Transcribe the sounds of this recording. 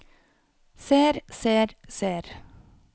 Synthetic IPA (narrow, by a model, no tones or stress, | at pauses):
seːɾseːɾseːɾ